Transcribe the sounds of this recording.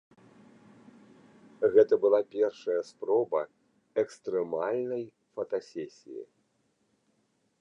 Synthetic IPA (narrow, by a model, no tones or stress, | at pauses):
ɣɛt̪ɐbɨlˠapʲɛrʂɐjɐspɾɔbɐ | ɛkst̪ɾɛmalʲnɐj | fɐt̪asʲɛsʲḭjḭ